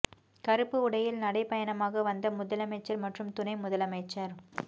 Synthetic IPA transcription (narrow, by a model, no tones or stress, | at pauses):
kɐɾɯpːɯʊɽɐjɪlnɐɽɐɪpɐjɐnɐmaːɣɐʋɐnd̪ɐmʊðɐlɐmɐɪt͡ʃːɐɾmɐʈrɯmt̪ʊnɐɪmʊðɐlɐmɐɪt͡ʃːɐɾ